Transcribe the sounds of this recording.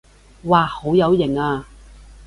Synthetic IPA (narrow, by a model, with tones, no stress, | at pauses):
waː˨˩ho˨˧˥wjɐ˨˧wjɪ˨˩ŋaː˧